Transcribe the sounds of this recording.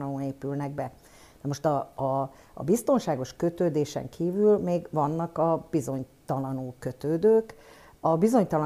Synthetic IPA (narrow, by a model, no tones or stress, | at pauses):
ouneːpylnɛɡ̚bɛ | nɛmo̞ʃt̪ɒ̰ː | bist̪o̞nʃaːɡo̞ʃkø̞t̪øːd̪eːʃɛ̰ŋkʰiːvylmeːɡvɒnːɒkɒb̥izo̞ɲt̪ɒlɒnulkø̞t̪øːd̪øːk | ɒbizo̞ɲt̪ɒl